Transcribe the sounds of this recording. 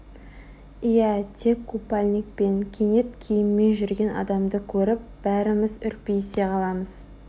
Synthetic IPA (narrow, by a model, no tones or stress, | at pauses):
ijæt̪ʰe̞kʰːupːalʲnikpe̞ŋkʲʰe̞ne̞t̪kʲʰejɪmːe̞nʒʏɾɡʲe̞nɑ̰d̪ɑmd̪əkʲʰɵɾɪp̚b̥æɾɪmɪzʏɾpejse̞qɑlˠɑməz̥